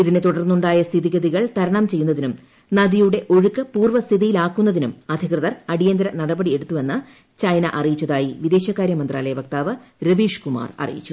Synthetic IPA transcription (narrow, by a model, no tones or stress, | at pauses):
iðine̞t̪uɽɐrnːuɳɖaːjɐst̪ʰiðiɣɐðiɣɐɭt̪ɐɾɐɳɐmt͡ɕe̞jːunːɐðinum | nɐðijuɽe̞ʔo̞ɻukːɐpuːrʋɐst̪ʰiðijilaːkːun̪ːɐðinumɐd̪ʱikrɨðɐrɐɽijɐnd̪ɐɾɐnɐɽɐbɐɽie̞ɽut̪ːuʋe̞nːɨ | t͡ɕɐjnɐ̰ʔɐrijit͡ɕːɐðaːjiʋid̪e̞ːɕɐkːaːɾjɐmɐnd̪raːlɐjɐbɐk̚t̪aːʋɐɾeʋiːʂkuma̰ːrɐ̰rijḭt͡ɕːu̥